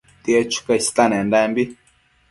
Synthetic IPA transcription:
t̪iet͡ʃu̥kast̪anɛ̃ndambi

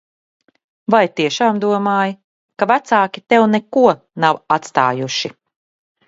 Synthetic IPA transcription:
vajt̪iɛʃaːmd̪uɔmaːj | kavæt̪saːkʲit̪ɛwnɛkuɔ | nawat̪st̪a̰ːjuʃi

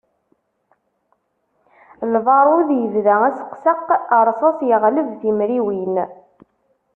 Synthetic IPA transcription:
lvˤɑɾˤʊðjəvðææsə̥qsəqːəɾˤsˤɑsjəʁləvθimɾiwin

